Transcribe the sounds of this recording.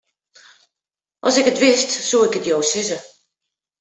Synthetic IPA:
ʔɔ̰sɪkətʋɪstsuɪkətjowsɪzə

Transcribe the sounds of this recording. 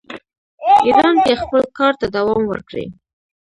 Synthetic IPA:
id̪ɑnk̪expəlkɑɾt̪ad̪awɑmwə̰ɾkɽḛ

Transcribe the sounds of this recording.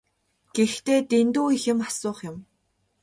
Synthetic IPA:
ɡ̥ext̪eːt̪ent̪uːixɪ̆masʊːχjʊ̆m

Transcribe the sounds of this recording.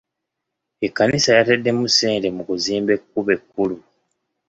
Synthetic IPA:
e̞kːanisajatedːe̞museːnde̞mukuziːmbe̞kːuβe̞kːulu

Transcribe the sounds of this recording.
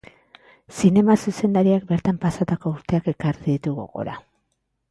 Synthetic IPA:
sine̞masuse̞nd̪aɾiak̚be̞ɾt̪ampasat̪ako̞uɾt̪eake̞kariðit̪uɣo̰ɣo̞̰ɾa̰

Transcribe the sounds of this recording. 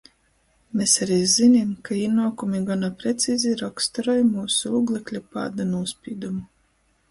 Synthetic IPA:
mesaɾizinʲimkainuɔkumiɡanapɾet̪siːzʲiɾɔkst̪ɔɾɔjmuːsuuːɡlˠɛklʲupa̰ːd̪anuɔspʲiːd̪umu

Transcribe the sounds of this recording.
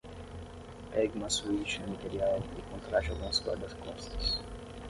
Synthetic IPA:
pɛɡumɐsuit͡ʃnʊmat̪eɾiawikõnt̪ɾat͡ʃalɡũmɐskwa̰ɾd̪ɐskõst̪ɐ̥s

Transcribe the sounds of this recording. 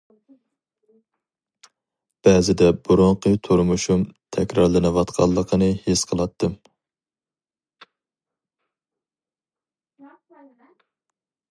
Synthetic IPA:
b̥ɛzɪd̪ɛbuɾoŋqʰət̪ʰuɾmuʃumt̪ʰɛkʲɾɑɾlˠɨnɨvɑt̪qʰɑ̰lˠːəqʰənɨhesqʰəlˠɑt̪ʰːɨm

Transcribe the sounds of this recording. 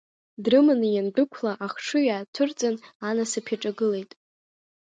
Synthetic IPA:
drɨmɨnɨjandɨkʷʰlaʔaχʂɨjaːtʰʊrt͡sʼananasɨpʰaʈ͡ʂʼaɡɨle̞jtʼ

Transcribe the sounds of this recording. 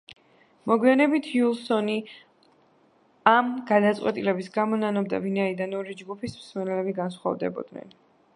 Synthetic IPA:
mɔɡwianɛbit̪ʰjulˠsɔni | amɡ̥ad̪at̪sʼqʼwɛt̪ʼilɛbisɡamɔnanɔb̚d̪a̰vinaid̪anɔɾid͡ʒɡupʰismsmɛnɛlɛbiɡansχwa̰vd̪ɛ̰bɔ̰d̪nɛ̰n

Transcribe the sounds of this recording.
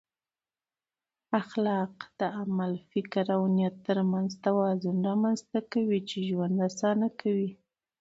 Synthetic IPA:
axlɑqd̪̥əamalfɪkɾawnijat̪ːəɾmanzt̪awɑzʊnɾɑmanzt̪akawit͡ʃeʒwand̪ɾasɑnakʰawi

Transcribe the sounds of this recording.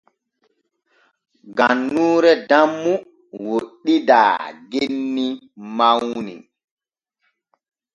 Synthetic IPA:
ɡanːuːɾɛdamːu | woɗːida̰ːɡenːi | mawnḭ

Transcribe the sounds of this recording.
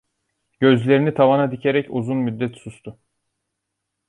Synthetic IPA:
ɟ̥ø̞zlʲe̞ɾinit̪ʰavanad̪icʰe̞ɾɛcuzunmyd̪ːɛt̪sust̪ʰʊ

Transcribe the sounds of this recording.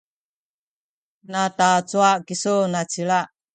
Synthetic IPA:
natat͡suaʔkisunat͡silaʔ

